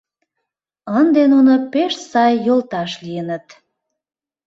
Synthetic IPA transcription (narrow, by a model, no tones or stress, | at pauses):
ənd̪enunopeʃsɑjːolt̪ɑʃlijənət̪